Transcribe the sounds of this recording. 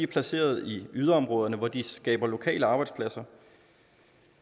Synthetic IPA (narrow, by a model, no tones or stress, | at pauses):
iæɐpʰlæse̝̰ːɐð̞ˠiyð̞ˠɐɒ̽mʁɔ̽ːð̞ˠɐnəʋɒd̥isɡ̥ɛ̰ːb̥ɐlo̝kʰɛ̰ːləɑ̈ːb̥ɑɪd̥spʰlæsɐ